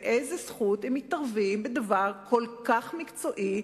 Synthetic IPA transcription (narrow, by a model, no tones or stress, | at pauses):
ʔezesχuthemit̪aʁvimbed̪avaʁkʰo̞lkaχmikt͡so̞ʔi